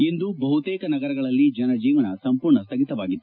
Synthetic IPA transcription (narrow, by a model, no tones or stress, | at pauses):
ind̪ubɐɦut̪ɛːkɐnɐɡɐɾɐɡɐɭɐlːid͡ʒɐnɐd͡ʒiːʋɐnɐsɐmpuːɾɳɐst̪ʰɐɡit̪ɐʋaːɡit̪ː